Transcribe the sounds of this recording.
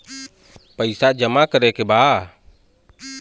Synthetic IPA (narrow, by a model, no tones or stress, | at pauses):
paisaʔd͡ʒamakəɾɛkɛba